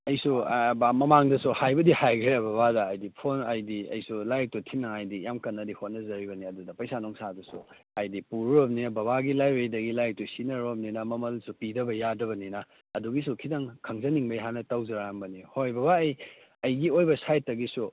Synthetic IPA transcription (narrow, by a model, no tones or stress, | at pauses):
ɐjsubamɐmaŋdɐsuhajbɐdihajɡɾeɐbabadɐːjdipʰonajdiɐ̰jsulajk̚tutʰinːɐŋajdijamkɐnːɐdihonːɐzɐɾibɐniɐdudɐpɐjsanoŋsadusu | ajdipuɾuɾobninɐbɐbaɡilajbejdɐɡilajk̚tusinɐɾob̚ninɐmɐmɐlsupidɐbɐjadɐbɐninɐː | duɡisukʰidɐŋkʰɐŋzɐniŋbɐjɦanɐtɐwzɐɾambɐnihojbɐβaɐj | ɐjɡiojbɐsajtːɐɡisu